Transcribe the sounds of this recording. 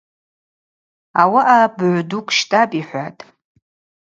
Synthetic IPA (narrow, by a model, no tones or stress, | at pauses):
awaʔabʕʷdukʷʼʃtʼapʼiħʷatʼ